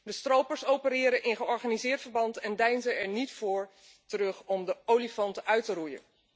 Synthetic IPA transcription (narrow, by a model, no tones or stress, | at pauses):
dəstrowpəɹsowpəɾɪːɾənʔɪnχəɔɹχaːnizɪːɹtfəɹbɑntɛndɛjnzəɛɹnitfʊːɹ | tərɵχɔmdəowlifɔntəʔœɥtərujə̰n